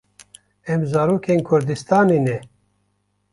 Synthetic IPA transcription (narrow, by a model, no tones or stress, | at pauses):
ɛmzaːɾuːkʰeːnkʰʊɾd̪ɨst̪aːneːnɛ